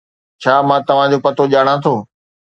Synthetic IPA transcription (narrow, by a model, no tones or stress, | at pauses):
t͡ɕʰaːmãːt̪ɐʋ̤ãd͡ʑoːpɐt̪oʄaːɽ̃ãt̪ʰoː